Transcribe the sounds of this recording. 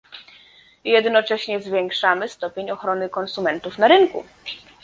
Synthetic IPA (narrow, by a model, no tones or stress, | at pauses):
jɛd̪nɔt͡ʂɛɕɲɛzvʲjɛŋkʂamɘst̪ɔpʲjeɲɔxɾɔnɘkɔnsumɛnt̪ufnaɾɘnkṵ